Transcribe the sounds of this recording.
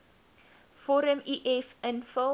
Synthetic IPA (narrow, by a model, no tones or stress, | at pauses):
fɔɾəmiʔɛfə̃nfə